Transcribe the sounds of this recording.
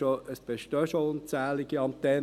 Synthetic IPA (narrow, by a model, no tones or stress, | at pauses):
oəsb̥eʃtœʃoʊnt͡sæːlɪɡ̥iɑmt̪ɛ